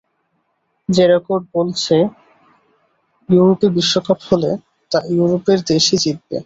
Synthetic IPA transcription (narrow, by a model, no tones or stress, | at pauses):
d͡ʑeɾokoɖ̚bolt͡ɕʰe | juɾopibiʃːokaphole | t̪ajuɾopeɾd̪eʃid͡ʑid̪̚bḛ